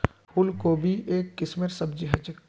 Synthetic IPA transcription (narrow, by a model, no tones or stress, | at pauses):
hʊlkoːbʱiʔeːkːɪsmeɾsɐb̚d͡ʒiɦɐt͡ʃək